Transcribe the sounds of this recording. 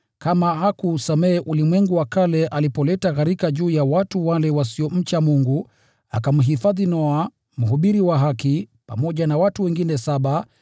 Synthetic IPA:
kamahakusamɛːʔulimwɛŋɡuwakalɛʔalipɔlɛtakaɾikaʄuːjawatuwalɛwasiɔm̩t͡ʃamuŋɡu | a̰kam̩ɦifaðinɔa | m̩ɦuɓiɾiwaɦakipa̰mɔʄanawatuwɛŋɡinɛsaɓa

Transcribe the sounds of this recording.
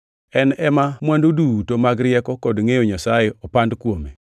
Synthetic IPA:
ɛnɛmamwandodutomaɡɾɪɛkɔkɔdŋejoɲasajɪɔpandkwome

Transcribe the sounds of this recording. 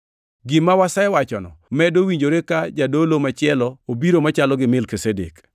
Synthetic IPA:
ɡɪmawasaɛwat͡ʃɔnɔmɛdowiɲd͡ʒoɾekad͡ʒadolomat͡ʃɪɛlɔobiɾomat͡ʃalɔɡɪmɪlkisedḛk

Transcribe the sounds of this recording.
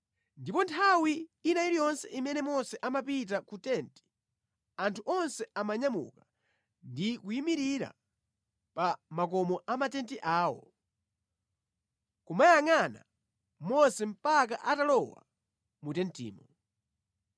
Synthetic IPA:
ndipɔntʰawiːnaiɾijɔnsɛʔimɛnɛmɔsɛʔamapit̬akutɛnti̥ | antʰuʔɔnsɛamaɲamṵka | ndikujimiɾiɾa̰ | pamak̬ɔmɔʔamatɛntiʔaːwɔ̰ | kumajaŋana̰ | mɔsɛm̩pak̬aʔatalɔwa̰ | mutɛntḭːmɔ

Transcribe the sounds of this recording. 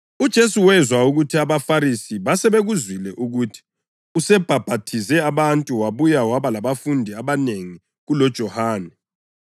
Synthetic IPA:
ud̥ʒ̥ʱesuwɛzwauɣutʰiaβafaɾisiβasɛβeɣuzwilɛʔuɣutʰi̥ | usɛb̥ʱab̥ʱatʰizɛaβantʼuwaβujawaβalaβafundʱiaβaneŋi | ɣulɔd̥ʒ̥ʱɔhaːnɛ

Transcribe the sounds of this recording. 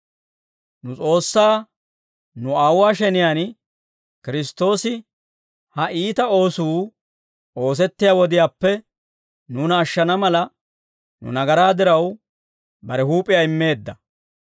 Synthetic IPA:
nʊt͡sʼo̞ːsːaː | nʊaːwaːʃɛnɪjaːn | kɪɾɪs̬t̪ːo̞ːsɪ | hɐʔiːt̪ɐo̞ːsuː | o̞ːs̬ɛt̪ːɪjaːwɔd̪ɪjaːpːɛ | nuːnɐːʃːɐnɐmɐlɐ | nʊ̰nɐɡɐɾaːd̪ɪɾɐw | bɐɾɛhuːpʼːɪjaːɪmːe̞ːd̪ːɐ

